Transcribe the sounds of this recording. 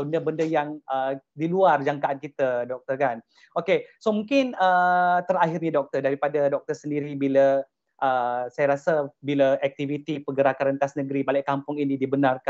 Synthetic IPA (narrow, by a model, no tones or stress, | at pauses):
bəndəbəndəjaŋədiluard͡ʒaŋkaankit̪ədɔk̚t̪ərkan | okesomuŋkɪnət̪əɾaɦɪrɲadɔk̚t̪ərdaɾipadadɔk̚t̪ərsəndiɾibilə | ʔəsajaɾasabiləʔɛk̚t̪ivit̪ipəɡəɾakaɾənt̪asnəɡəɾibalɛʔkampʊŋinĩdibənarka